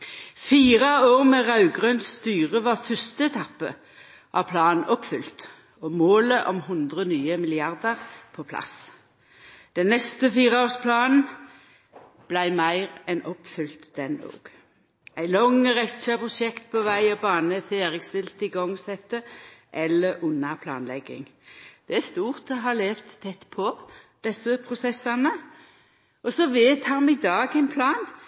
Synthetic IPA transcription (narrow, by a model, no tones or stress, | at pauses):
fiːʁəoːʁmɛʁɑʉɡʁøːnsːt̪yːʁəʋɑʁfœst̪əɛt̪ʰɑpːə̰ | ʔɑ̰pʰlɑːnn̩ʔɔpfʏlt̪ | ɔmoːləʔɔmhʊnd̪ʁənyːəmɪlɪɑʁd̪əʁpʰɔːpʰlɑ̰s | d̪̥ɛnnɛst̪əfiːʁəoːspʰlɑːnn̩ | b̥læɪmæɪʁɛnʔɔpfʏlt̪d̪̥ɛnd̪o̰ːɡ̥ | æɪlɔŋːəɾɛt͡ʃːɑpʰʁʊʃɛkt̪̚pʰɔʋæɪɔbɑːnət̪ʰeːʁɪɡst̪ɪlt̪ɪɡɔŋsɛt̪ːəʔɛlːəɾʉnːɑpʰlɑ̰ːnlɛ̰ɡɪ̰ŋd̪̥ɛæst̪uːʁt̪ɔɦɑːleːft̪t̪ʰːɛt̪ːpʰɔd̪̥ɛsːəpʰʁʊsɛsːɑnə | ʔɔsɔʋeːt̪ʰɑːmɪd̪ɑːɡæɪnpʰlɑːn